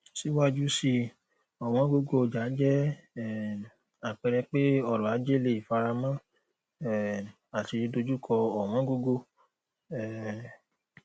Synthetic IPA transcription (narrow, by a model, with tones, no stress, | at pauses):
si˦wa˦d͡ʒu˦si˧ | ɔ˨w̃ɔ̃˨˦ɡo˧ɡo˧˨d͡ʒa˨˦d͡ʒɛ˦˨ | a˨k͡pɛ˧ɾɛ˧k͡pe˦ɔ˦˨ɾɔ̃˨a˨˦d͡ʒe˦˨le˨i˨fa˧ɾa˧mã˦ | ɛ˦˨ | a˨ti˧do˧d͡ʒu˦kʰɔ˧ɔ˨w̃ɔ̃˨˦ɡo˧ɡo˧ | ɛ˦˨